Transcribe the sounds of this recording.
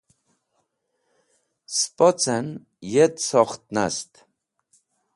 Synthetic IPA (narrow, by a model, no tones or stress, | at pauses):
spʼɔt͡sɛn | jɛt̪sɔχt̪̚na̰st̪